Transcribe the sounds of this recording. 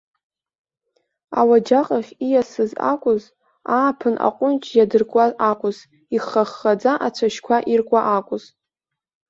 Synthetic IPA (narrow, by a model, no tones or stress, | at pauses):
a̰wad͡ʒaqʼaχʲijasɨza̰kʷʼʊz | aːpʰɨnʔa̰qʷʼʊnt͡ʃʰʼjadɨrkʷʼazakʷʼʊz | iχːaχːad͡zaʔat͡ʃʷʰaʃkʷʰaʔirkʷʼaʔakʷʼʊz̥